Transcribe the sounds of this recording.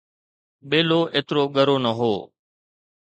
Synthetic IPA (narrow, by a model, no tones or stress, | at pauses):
ɓeːloːʔeːt̪ɾoːɠəɾoːnəɦoː